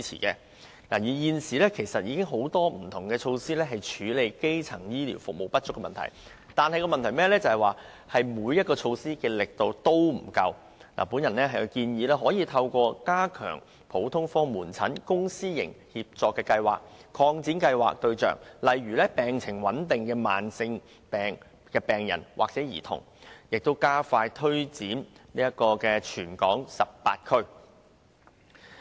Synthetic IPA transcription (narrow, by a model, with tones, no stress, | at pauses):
i˥t͡sʰḭː˨˩kɛː˧ | naː˨˩jiː˨˩jiː˧nsiː˨lɛː˥kʰe˨˩jsɐ˨t̚jiː˧kɪ˥ŋɦo˨˥wt̪ɔː˥m̩˨˩t̪ʰʊ˨˩ŋkɛː˧t͡ʃʰo˧wsiː˥lɛː˥ɦɐ˨jt͡ʃʰyː˨˥le˨˧jke˥jt͡sʰɐ˨˩ŋjiː˥lḭː˨˩wfʊ˨k̚mo˨˩wpɐ˥t̚t͡ʃʊ˥kːɛ˧mɐ˨nt̪ʰɐ̰˨˩j | t̪aː˨nhɐ˨jkɔː˧mɐ˨nt̪ʰɐ˨˩jmɛː˥lɛː˥t͡sɐ˨hɐ˨jwaː˨˩ | hɐ˨jmuː˨˧jɐ˥t̚kɔː˧t͡ʃʰo˧wsiː˥kɛː˧lɪ˨k̚t̪o˨wt̪o˥wm̩˨˩kɐ˧w | la̰ː˨˩puː˨˥njɐ˨˩nlɛː˥ɦɐ˨jkiː˧njiː˨˧lɛː˥ɦɔː˨˥jiː˧t̪ʰɐ˧wkʷɔː˧kaː˥kʰœ̰ː˨˩ŋ | pʰo˨˥wt̪ʰʊ˥ŋfɔː˥ŋmuː˨˩nt͡sʰɐ̰˨˥nkʊ˥ŋsiː˥jɪ̰˨˩ŋhiː˨˧p̚t͡sɔː˨kːɛː˧kɐ˧jwa̰ː˨k̚kʰɔː˧ŋt͡siː˨˥nkɐ˧jwa̰ː˨k̚t̪ɵ˧ɥt͡ʃœ̰ː˨ŋlɐ˨˩jɥyː˨˩lɛː˥pɛː˨ŋt͡sʰɪ˨˩ŋwɐ˨˥nt̪ɪ˨˩ŋkɛː˧maː˨nsɪ˧ŋ | pɛː˨˩ŋ | kɛː˧pɛː˨ŋjɐ̰˨˩nwʔa̰ː˨k̚t͡sɛː˨˥jḭː˨˩t̪ʰʊ̰˨˩ŋ | jɪ˨k̚t̪o˥wkaː˥faː˧jt̪ʰɵ˥ɥt͡siː˨˥nniː˥jɐ˥kɔː˧kɛː˧t͡ʃʰyː˨˩nkɔ̰ː˨˥ŋsɐ˨p̚pa̰ː˧t̚kʰɵ˥ɥ